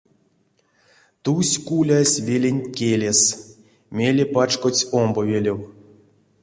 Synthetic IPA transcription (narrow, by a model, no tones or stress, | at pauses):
t̪usʲkulʲasʲvʲelʲenʲtʲkʲelʲes | mʲelʲepat͡ʃkot͡sʲombovʲelʲew